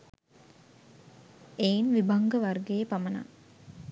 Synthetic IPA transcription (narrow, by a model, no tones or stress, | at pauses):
eːinʋibaŋɡəʋarɡejpaməna̰